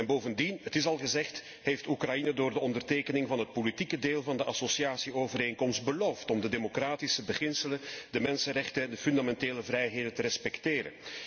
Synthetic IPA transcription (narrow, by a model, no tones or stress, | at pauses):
ɛnboːvəndinətɪs̬ɑlˠɣəzɛxt | ɦejftukrɑjinədoːrdəɔndərteːkənɪŋvɑnɦət̚politikədeːlˠvɑndəʔɑsosiaːsioːvəɾeːŋkɔmst̚bəloːftɔmdədemokraːtisəbəɣɪnsələnd̥əmɛnsənrɛxtənɛndəfʏndamɛnteːləvrɛjɦeːdəntəɾɛspɛkteːɾə̰n